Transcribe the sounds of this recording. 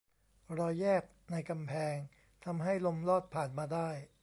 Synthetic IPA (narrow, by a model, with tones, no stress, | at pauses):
ɾɔː˧jːɛː˥˩k̚na˧jka˧mpʰɛː˧ŋ | t̪ʰa˧mɦa˥˩jlo˧mlɔː˥˩t̪̚pʰaː˨˩nmaː˧daː˥˩j